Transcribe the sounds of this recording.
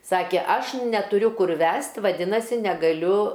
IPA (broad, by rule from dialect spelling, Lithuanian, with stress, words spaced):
ˈsɑːkʲeː ˈɐʃ nʲɛtʊˈrʲʊ ˈkʊr ˈʋʲæst ʋɐˈdʲɪnɐsʲɪ nʲɛɡɐˈlʲʊ